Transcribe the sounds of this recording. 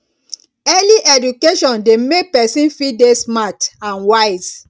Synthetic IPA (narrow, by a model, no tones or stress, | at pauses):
ɛliʔɛdukeʃɔ̃ndemek̚pɛsĩnfidesmatãnwaɪz̥